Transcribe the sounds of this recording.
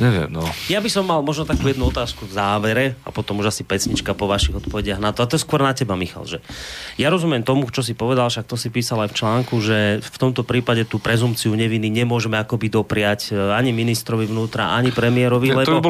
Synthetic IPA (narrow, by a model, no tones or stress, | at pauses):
ɲɛʋɪɛ̰mnɔjabisɔmːalmɔʒnɔt̪akuːjɛd̪nuɔt̪aːskuvzaːʋɛɾɛa̰pɔt̪ɔmuʒasipɛsɲit͡ʃkapɔʋaʃiɣɔt̪̚pɔʋɛɟɪaɣnat̪ɔat̪ɔjɛskɔɾnacɛbamixa̰lʒɛjaɾɔzumjɛmt̪ɔmukt͡ʃɔs̬ipɔʋɛd̪alʃak̚t̪ɔsipiːsalajft͡ʃlaːŋkuʒɛft̪ɔmt̪ɔpɾiːpaɟɛt̪uːpɾɛzump̚t͡siuɲɛʋiniɲɛmʊɔʒɛmɛakɔbid̪ɔpɾɪacaɲiminist̪ɾɔʋiʋnuːt̪ɾa̰ʔaɲipɾɛmiɛɾɔʋilɛɔb